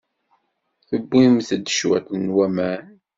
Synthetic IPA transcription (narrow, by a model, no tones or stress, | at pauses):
θəbːimθd̪əʃwæ̰θənwæmæ